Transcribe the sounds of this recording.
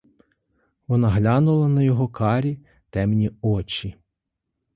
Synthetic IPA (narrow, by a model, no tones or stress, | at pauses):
ʋɔnɑɦlʲɑnʊlˠɐnɐjɔɦɔkɑɾʲi | t̪ɛmnʲiɔt͡ʃʲi